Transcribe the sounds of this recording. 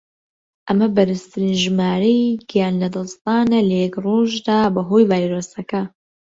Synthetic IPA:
ʔɐmɐbɐɾɨst̪ɨɾinʒɨmaːɾejɡijaːnlɐd̪ɐlst̪ɑːnɐlɐjɛkroʒd̪aːbɐɦojvaːjɾosɐkɐ

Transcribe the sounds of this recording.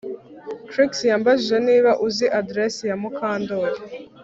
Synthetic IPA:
kɾiksjaːmbaʒiʒe̞niːβaʔuziʔadɾesijamukʰaːndoɾe

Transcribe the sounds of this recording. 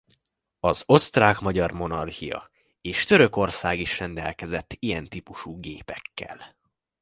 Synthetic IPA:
ɒzo̞st̪raːkmɒɟɒrmo̞nɒrhijɒ̰ | eːʃt̪øɾø̞ko̞rsaːɡiʃrɛnd̪ɛ̰lkɛzɛt̪ːijɛnt̪iːpuʃuːɡeːpɛkːɛ̰l

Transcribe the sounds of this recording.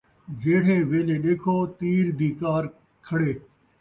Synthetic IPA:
d͡ʒeːɽ̤ẽːʋeːlẽːɗekʰoːt̪iːɾd̪iːkaːɾ | kʰɐɽeː

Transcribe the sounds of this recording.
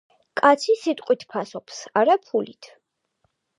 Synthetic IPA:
kʼat̪sʰisit̪ʼqʼwit̪ʰpʰasɔpʰsaɾapʰulit̪ʰ

